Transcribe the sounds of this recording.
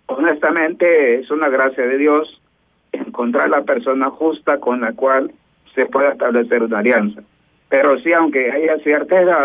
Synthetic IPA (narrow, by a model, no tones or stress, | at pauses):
one̞st̪amẽnt̪eesunaɣɾasjaðe̞ðjo̞s | eŋko̞nt̪ɾaɾlape̞ɾso̞naxust̪ako̞nlakwal | se̞pwe̞ðest̪aβle̞se̞ɾunaːljansḁ | peɾosiawŋke̞ajasjeɾt̪aeða